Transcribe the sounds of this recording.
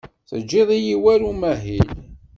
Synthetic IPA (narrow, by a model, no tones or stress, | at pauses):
θəd͡ʒːeðˤijiwæɾumæɦil